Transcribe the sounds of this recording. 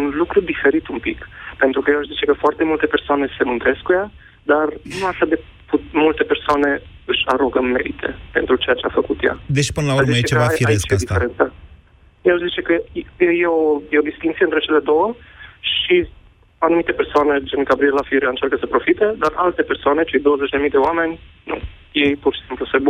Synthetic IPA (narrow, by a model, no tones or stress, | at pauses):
unlukɾud̪ife̞ɾit̪umpḭkpe̞nt̪ɾukəjeaʃzit͡ʃe̞kəfoart̪e̞mult̪e̞pe̞rsoane̞se̞mɨnt̪ɾe̞skkuja | d̪arnuaʃad̪e | pumult̪e̞pe̞rsoane̞ | ɨʃʲaɾoɡəmmːe̞ɾit̪ʰe̞̰pe̞̰nt̪ɾut͡ʃe̞jat͡ʃeafəkut̪ja̰d̪eʃi̥pɨnəlauɾmziet͡ʃet͡ʃevafiaɾiskt͡ʃesd̪ieɾent̪sə | jaɨʃzit͡ʃe̞kəjeojeod̪ist̪int̪iɨnt̪ɾet͡ʃe̞le̞d̪o̞wəʃi | anumit̪e̞persoane̞d͡ʒenɡabɾielafiɾiaɨnt͡ʃarkəsəpɾo̞fit̪e̞d̪ara̰lt̪e̞pe̞rsoane̞t͡ʃe̞jd̪o̞wəzet͡ʃʲd̪e̞mijd̪e̞oame̞nʲnṵ | jejpurʃisimplusebu